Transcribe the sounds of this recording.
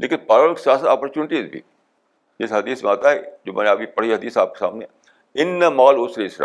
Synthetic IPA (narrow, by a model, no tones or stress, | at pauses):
lʔeːkɪnpaːɾʋəɾksjaːsət̪aːpəɾt͡ʃuːnɪʈiːzbʱḭː | d͡ʒɪsɦɐd̪iːsmẽaːt̪aɛd͡ʒomɛ̰ːneabipəɽ̤iɦɐd̪iːsaːp̚ke̥sa̰ːmneɛ̃ː | ɪnːəmaːlʊsɾesɾa̰ː